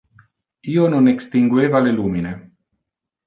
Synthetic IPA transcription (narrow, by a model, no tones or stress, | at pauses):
iːononekst̪iŋɡweːvaleluːmine